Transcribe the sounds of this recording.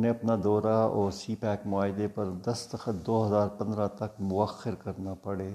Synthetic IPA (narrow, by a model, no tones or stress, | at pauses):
nẽɐpnad̪ɔːɾaɔːɾsiːpɛːkmʊaːɦɪd̪epɐɾd̪ɐst̪əxət̪̚d̪oːɦɐzaːɾpɐ̃nd̪ɾãt̪ɐkmʊəxːɪɾkɐɾnapɐɽeː